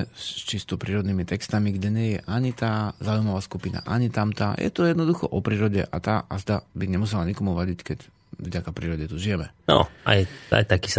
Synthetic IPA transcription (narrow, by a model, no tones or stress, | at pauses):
st͡ʃist̪ɔpɾiːɾɔd̪niːmit̪ɛkst̪amiɡɟɛɲɛjɛʔaɲit̪aːzaːujmaʋaːskupina̰ʔaɲit̪amt̪aːjʔɛ̰t̪ɔjɛd̪nɔd̪uxɔ̰ʔɔpɾiːɾɔɟɛ̰ʔat̪aːʔazd̪abiɲɛmus̬ɛlaɲikɔmuʋaɟickɛc | vɟakapɾiːɾɔɟɛt̪uʒijɛmɛnɔ̰a̰ja̰jt̪aki̥s